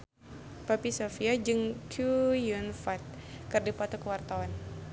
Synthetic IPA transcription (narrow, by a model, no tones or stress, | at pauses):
papisofiad͡ʒɨŋkʰujunfat̪̚kɨrdipat̪ukəwart̪awan